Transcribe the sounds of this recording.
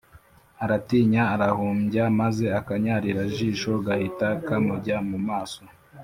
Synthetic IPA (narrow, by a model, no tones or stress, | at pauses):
aɾatiːɲaːɾahuːmɟamaze̞akaɲaːɾiɾaʒiːʃo̞ɡahitakamuɟamumaːso